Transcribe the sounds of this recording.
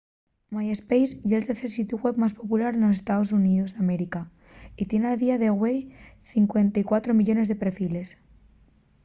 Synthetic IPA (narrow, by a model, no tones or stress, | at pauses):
majespejsjelt̪eɾθeɾsit̪uɣwe̞βmaspopulaɾenosest̪aðos̬uniðozðameɾika | it̪je̞nalðiaðeɣwejθiŋkwe̞nt̪aikwat̪ɾomiʎo̞ne̞zðepɾefile̞s